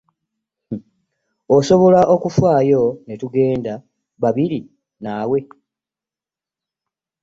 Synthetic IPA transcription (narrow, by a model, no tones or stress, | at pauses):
oso̞βo̞laʔokufwaːjo̞netuɡe̞ːnda | βaβiɾi | naːwe̞